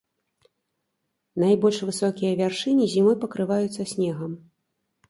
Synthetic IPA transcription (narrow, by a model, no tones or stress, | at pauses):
najbɔlʲʂvɨsɔkʲijɐvʲarʂɨnʲizʲimɔpɐkɾɨvajut̪sːɐsʲnʲɛɣɐm